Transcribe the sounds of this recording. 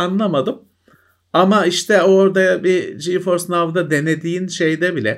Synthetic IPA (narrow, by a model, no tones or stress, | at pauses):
anlˠamad̪ɯm | amaiʃt̪ʰɛoɾd̪abid͡ʒifo̞ɾsnavd̪ad̪e̞ne̞d̪iːnʃe̞jd̪ɛbilʲɛ